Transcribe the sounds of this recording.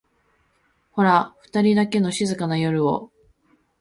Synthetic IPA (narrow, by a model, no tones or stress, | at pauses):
ho̞ɾaɸɯ̟̥t̪aɾʲid̪ake̞no̞ɕizɨkanajo̞ɾɯ̟o̰